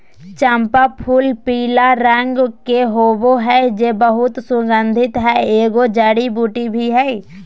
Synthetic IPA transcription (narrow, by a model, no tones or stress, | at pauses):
t͡ʃə̃mpapʰuːlpiːlaɾɛ̃ŋɡkeɦoːboɦɛd͡ʒeːbəɦʊt̪sʊɡə̃nd̪ʱɪt̪ɦɛeːɡod͡ʒaːɽibuːʈibʱiɦɛ